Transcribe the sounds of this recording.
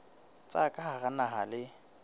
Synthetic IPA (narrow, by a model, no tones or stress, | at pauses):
t͡sʼakʼahaɣanaɦa̰lɪ